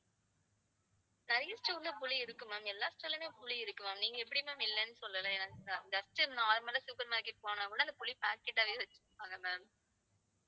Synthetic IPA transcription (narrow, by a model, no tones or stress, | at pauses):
nɐɾɐjɐsʈɾɐʊnd̪ɐpʊɭiɪɾɯkːɯmaːmɛlːaːsʈɾɐlɐmeːpʊɭiɪɾɯkːɯmaːmniːŋɡɐɛp̬ːɐɽɪmãːmɪlːɛnːɯsɔlːɐlɐɛnɐkːaɪnd̪ɐsʈːɐɾɯnaːɾmɐːlɐsʊkːɐɾmaːɾkːeʈ̚poːnaːkʊɽɐɪnd̪ɐpʊɭipaːɾkɛʈːaːʋeʋɐt͡ʃːɯ̥aːŋɡɐmaːm